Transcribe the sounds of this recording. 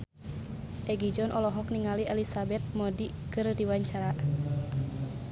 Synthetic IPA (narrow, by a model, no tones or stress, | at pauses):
ʔɛɡid͡ʒɔnʔɔlɔɦɔk̚niŋaliʔɛlisabɛt̪̚mɔdikɨrdiwaɲt͡ʃaɾaʔ